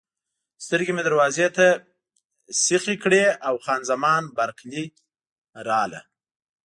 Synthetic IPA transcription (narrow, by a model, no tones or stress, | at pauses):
st̪əɾɡemed̪aɾwɑzet̪a | sɪxekɽeawxɑnzamɑnbaɾqli | ɾɑla̰